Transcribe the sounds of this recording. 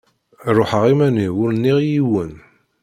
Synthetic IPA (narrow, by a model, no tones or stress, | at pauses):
ɾˤoħəʁimæniwʊɾnːiʁjiwən